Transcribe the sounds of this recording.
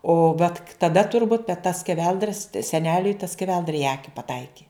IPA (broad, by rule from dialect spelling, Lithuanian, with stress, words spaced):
oː ʋɐt k tɐˈdɐ tʊrˈbuːt bʲɛt tɐ sʲkʲɛˈʋʲɛlˠdrɐ sʲɛ sʲɛˈnʲæːlʲʊɪ tɐ sʲkʲɛˈʋʲɛlˠdrɐ ɪ ˈɑːkʲɪ pɐˈtɐɪkʲɪ